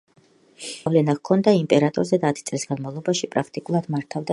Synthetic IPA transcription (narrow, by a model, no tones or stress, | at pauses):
vlɛnakʰɔnd̪aimpʼɛɾat̪ʼɔ̰ɾzɛd̪aːt̪ʰi̥t̪sʼlisɡ̥anmavlˠɔbaʃipʼɾakʰt̪ʼikʼulˠad̪maɾt̪ʰavd̪a